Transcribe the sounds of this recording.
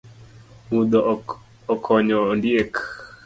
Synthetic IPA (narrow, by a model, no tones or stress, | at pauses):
mud̪ɔ | ɔkʰɔɲɔːndɪek